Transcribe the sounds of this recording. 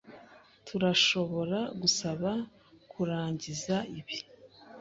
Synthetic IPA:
tʰuɾaʃo̞βo̞ɾaɡusaβa | kʰuɾaːɲɟizaiβi

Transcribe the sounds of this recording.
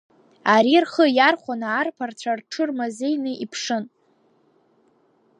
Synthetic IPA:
aɾirχəjarχʷanaːrpʰart͡ɕʷʰarʈ͡ʂʰɨrmazejnɨʔipʰʂɨn

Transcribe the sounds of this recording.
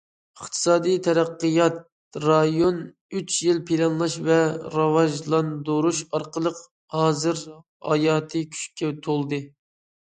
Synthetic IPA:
əχt̪ʰɨ̥sɑːd̪ɨjt̪ʰɛɾæqːəjɑt̪̚ | ɾɑjon | yt͡ʃʰjilpʰilɑnlˠɑʃvɛɾɑvɑʒlˠɑnd̪oɾuʃɑɾqəlˠəq | hɑːzɨɾ | hɑ̰jɑːt̪ʰɨkʲʰy̥ʃkʲʰɛt̪ʰolˠd̪ɨ

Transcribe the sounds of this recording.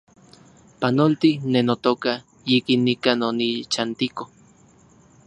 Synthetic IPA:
panolt̪inenot̪oka | jikinːikanonit͡ʃant̪iko

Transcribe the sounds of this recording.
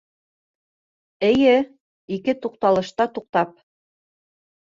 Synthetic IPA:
ɘ̆jɘ | ikɘt̪uq̚t̪ɑlˠɤ̆ʃt̪ɑt̪uq̚t̪ɑp̚

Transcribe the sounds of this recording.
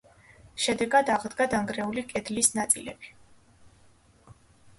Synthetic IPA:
ʃɛd̪ɛɡad̪aʁd̪ɡad̪aŋɡɾɛulikʼɛd̪lisnat̪sʼilɛ̰b̥i̥

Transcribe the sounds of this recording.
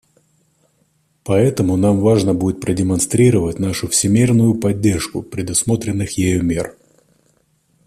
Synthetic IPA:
pɐɛt̪əmʊnamvaʐnəbudʲɪt̪̚pɾədʲɪmɐnst̪ɾʲiɾəvətʲnaʂʊfsʲɪmʲirnʊjʊpɐdʲːe̞rʂkʊ̰pɾʲɪd̪ʊsmo̞t̪ɾʲɪnːɨxjɪjomʲer

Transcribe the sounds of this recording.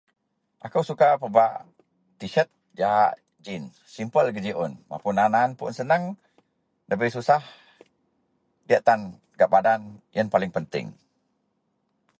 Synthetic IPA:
ʔakəwsukapəbaʔ | t̪iʃət̪̚ | d͡ʒaɦaʔ | d͡ʒin | simpəlɡəd͡ʒiʔɔnma̰pʊnananpunsənəŋ | dəbəsusah | diaʔt̪an | ɡaʔbadanjənpalɪŋpənt̪ɪ̰ŋ

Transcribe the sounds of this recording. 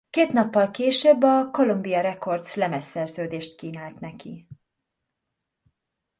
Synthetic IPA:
keːt̪nɒpːɒlkeːʃøbːɒko̞lombijɒɾɛko̞rd̪slɛmɛsɛrzøːd̪eːʃt̪̚kiːnaːlt̪nɛkḭ

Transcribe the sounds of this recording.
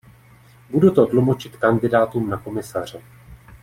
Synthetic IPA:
budut̪odlumo̞t͡ʃɪt̪kandɪdaːt̪uːmnako̞mɪsar̝̥ɛ

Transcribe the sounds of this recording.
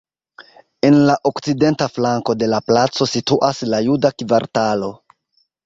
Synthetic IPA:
e̞nlaʔo̞kt͡side̞ntaflaŋko̞de̞laplat͡so̞situʔaslajudakvaɾtalo̞

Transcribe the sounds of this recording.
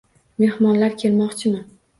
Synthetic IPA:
me̞hmɒnlaɾkʲʰe̞lmɒqt͡ʃʰɪman

